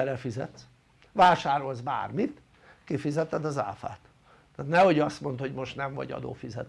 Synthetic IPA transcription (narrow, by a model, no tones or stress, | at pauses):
ɛɾɛfizɛ̰t̪s | vaːʃaːɾo̞lzba̰ːrmit̪ | kifizɛt̪ɛd̪ɒza̰lfa̰ːt̪ː | aːt̪nɛho̞ɟɒst̪mo̞nt̪ho̞ɟmo̞ʃt̪nɛɱvɒ̰ɟɒ̰d̪o̰ːfizɛ̰t̪